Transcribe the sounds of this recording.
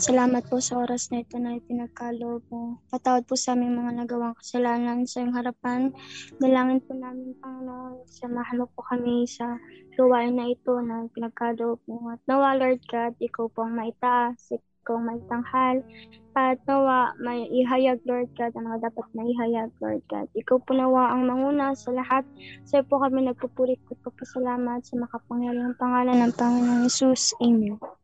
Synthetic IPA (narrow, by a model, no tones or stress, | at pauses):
sɐlaːmɐt̪̚posɐʔoːɾɐsnɐɪt̪o̞nɐpɪnɐɡ̚kaːloʔob̚opɐt̪aːwod̪̚pʊsɐʔaːmɪŋmɐŋanɐɡɐwaŋkɐ̥sɐlaːnɐnsɐjoŋɦɐɾɐpanːɐlaːŋɪnpʊnaːmɪŋpɐŋɪnoʔnsɐmɐɦɐnoɡ̚pʊkɐmɪsɐlɐwaːʔɪnːɐʔɪt̪o̞nɐpɪnɐɡ̚kaːloʔob̚oŋɐt̪̚nɐwaloɹd̪̚kad̪̚ʔɪkawpoʔɐŋmɐʔɪt̪aʔsɪɪkawɐŋmɐʔɪt̪ɐŋhalʔɐt̪̚nɐwaʔmɐɪɦajaɡ̚loɹd̪̚kad̪ɐmɐŋad̪aːpɐt̪̚mɐhiɦajaɡ̚lo̰ɹd̪̚ka̰d̪̚ʔɪkawponɐwaʔɐŋmɐŋuːnɐsɐlɐhat̪̚sɐjpokɐmɪnɐɡ̚pɐpuːɾɪk̚pʊd̪̚pɐɡ̚pɐsɐlaːmɐt̪sɐmɐkapɐŋjaɾiɐŋpɐŋaːlɐnːɐŋpɐŋɪnoŋhɛsusʔɪɲo